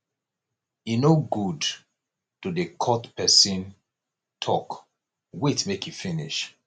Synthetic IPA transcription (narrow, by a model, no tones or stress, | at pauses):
jinoɡud | tudekʰɔtpɛsĩn | tʰɔk | wetmekjufiniʃ